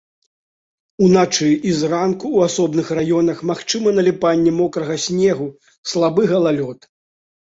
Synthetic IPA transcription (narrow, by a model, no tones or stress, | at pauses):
unat͡ʂɨizrankuwasɔbnɨxrajɔnɐxmaxt͡ʂɨmɐnɐlʲipanʲːɛmɔkɾɐɣɐsʲnʲɛɣu | slˠabɨɣɐlˠalʲɔt̪